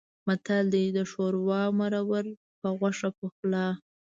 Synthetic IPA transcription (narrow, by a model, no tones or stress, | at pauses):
mat̪ald̪id̪əʃoɾwɑmaɾawəɾ | pəɣaʂapəxla